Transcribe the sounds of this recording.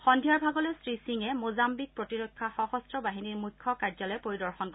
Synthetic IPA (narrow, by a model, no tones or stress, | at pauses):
xɔndʱijaɹbʱaɡɔlɛstɹisiŋɛmozambik̚pɹotiɹokʰːaxɔxɔstɹɔbaɦiniɹmukʰːɔkaɹzɔlɔjɛpoɹidɔɹxɔnkɔ